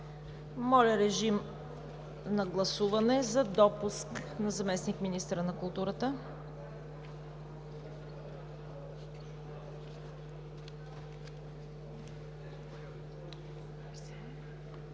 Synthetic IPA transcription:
mɔlʲɐɾɛʒim | nɐɡlˠɐsuvɐnɛzɐd̪ɔpusknɐzɐmɛsnikminist̪ɾənɐkʊlˠt̪uɾət̪ə

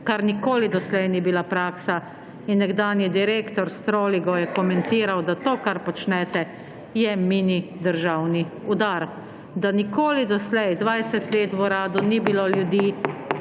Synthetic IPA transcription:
kaɾnikoːlid̪ɔslɛjnibilapɾaːksa | inːɛɡd̪aːnjid̪iɾeːkt̪ɔɾst̪ɾoːliɡɔjɛkɔmɛnt̪iːɾawd̪at̪oːkaɾpɔt͡ʃnɛt̪ɛ | jɛminid̪əɾʒawniud̪aɾ | d̪anikoːlid̪ɔslɛjd̪ʋajsɛt̪leːt̪ʋɔɾaːd̪unibiloljud̪iː

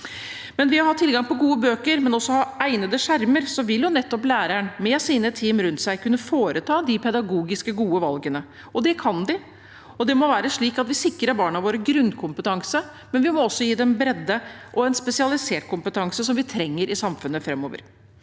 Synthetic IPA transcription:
mɛnʋɪɑhɑt̪ʰːɪlɡɑŋpɔɡuːəbøːkəɾmɛnɔsːɔhɑæɪnəd̪əʂæɾməɾsɔʋɪljʊnɛt̪ːɔplæːɾæɳmɛsiːnət̪ʰiːmɾʉnt̪sæɪkʉnːəfoːɾət̪ʰɑːd̪ɪpʰɛd̪ɑɡuːɡɪskəɡuːəʋɑlɡənə | ɔd̪ɛkʰɑnd̪ɪ | ɔd̪ɛmɔʋæːɾəʂɭiːkɑt̪ʋɪsɪkɾəbɑːɳɑʋoːɾəɡɾʉnd̪kʰʊmpət̪ɑŋsə | mɛnʋɪmɔɔsːɔjiːd̪ɛmbɾɛd̪ːəʔɔɛnspɛsɪɑlɪseːʈ̚kʰʊmpət̪ʰɑŋsəsɔmʋɪt̪ʰɾɛŋːəɾʔɪsɑmfʉnːəfɾɛmːo̰ːʋə̰ɾ

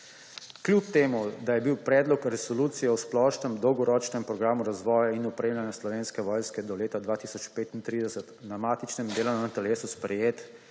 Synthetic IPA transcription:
kljup̚t̪eːmud̪ajɛbiwpɾɛːd̪lɔkɾɛsɔluːt̪sijɛwsplɔːʃnɛmd̪ɔwɡɔɾɔːt͡ʃnɛmpɾɔɡɾaːmuɾazʋɔːjainɔpɾeːmljanjaslɔʋeːnskɛʋɔːjnskɛd̪ɔleːt̪ad̪ʋaːt̪iːsɔt͡ʃpeːt̪int̪ɾiːd̪ɛsət̪namaːt̪it͡ʃnɛmd̪eːlɔnnat̪ɛleːsuspɾɛjeːt̪

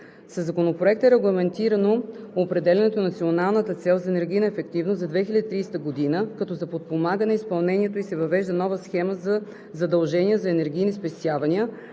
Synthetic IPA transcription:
səzːɐkonopɾoɛk̚t̪ɛɾɛɡlˠɐmɛnt̪iɾɐnoːpɾɛd̪ɛlʲɛnɛt̪onɐt̪sionalˠnət̪ət̪sɛlˠzɐɛnɛɾɡ̟ʲijnəɛfɛkt̪ivnoszɐd̪vɛxilʲəd̪it̪ɾiːst̪əɡod̪inəkɐt̪ɔzɐpot̪̚pomaɡənɛɐispɐlˠnɛniɛt̪oisɛvɐvɛʒd̪ənɔvəsxɛməzɐ | zɐd̪ɐlˠʒɛnʲiəzɐɛnɛɾɡʲijnispɛst̪ʲjavɐniə

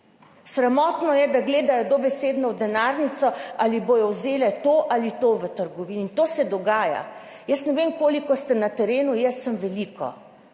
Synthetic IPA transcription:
sɾamɔːt̪nɔjɛd̪aɡleːd̪ajɔd̪ɔbɛseːd̪nɔwd̪ɛnaɾnit̪sɔaliboːjɔwzeːlɛt̪oːʔalit̪oːʋət̪əɾɡɔʋiːnint̪oːsɛd̪ɔɡaːja̰ | jəsnɛʋemkoːlikɔst̪ɛnat̪ɛɾeːnujɛsːəmʋɛlikɔ̰

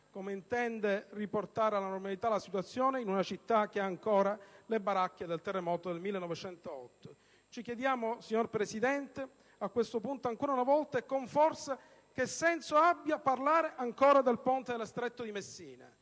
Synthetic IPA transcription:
komeint̪ɛnd̪eriport̪aːɾealanormalit̪alasit̪wat̪sːjoːneinunat͡ʃit̪ːak̟eaːŋkoːɾalebaɾakːed̪elt̪erːemɔːt̪od̪elmilːenːɔvet͡ʃɛnt̪oɔt̪ːo | t͡ʃik̟jed̪jaːmosiɲːorpɾesid̪ɛnt̪e | akːwest̪opunt̪oaŋkoːɾaunavɔlt̪aekːoɱfɔrse | kesːɛnsoabːjaparlaːɾeʔaŋkoːɾad̪elpont̪ed̪elest̪ɾet̪ːod̪imesːiːnḛ

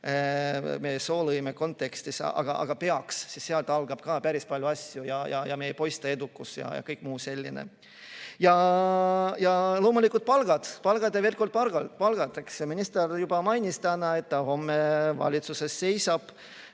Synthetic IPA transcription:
mejso̞ːlɤjmeko̞nt̪ːˑe̞kst̪isɑ̰ɡ̥ɑʔɑ̰ɡ̥ɑpe̞ɑksːisseɑlt̪ɑlɡ̥ɑb̥̚kɑːpæɾispɑlʲjuɑsʲjujɑjɑ̰jɑmeejpo̞jst̪ɑe̞d̪̥ukːˑusjɑ̰jɑ̰kɤjkːˑmuːse̞lʲːinḛ | jɑ | jɑlo̞ːmulʲikːˑult̪̚pɑlɡ̥ɑd̪̥pɑlɡ̥ɑd̪eveːlko̞rd̪̚pɑlɡ̥ɑlpɑlɡ̥ɑt̪ekseminist̪eɾjub̥ɑmɑjnʲist̪ænɑe̞t̪ːɑho̞mːevɑ̰lʲit̪suse̞sːe̞jsɑb̥

